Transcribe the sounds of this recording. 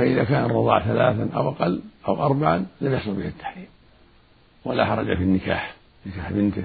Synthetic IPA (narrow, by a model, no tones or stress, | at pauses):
aʔɪðakaːnɑrˤːɑðˤɑ̰ʕθalaːθanʔa̰wʔaqɑlːʔawʔɑɾˤbaʕalamjɪħsˤʊlbɪhat̪ʰːḁħɾiːm | walaħɑɾˤɑd͡ʒa̰finːɪka̰ːħ | nɪkaːħbɪnt̪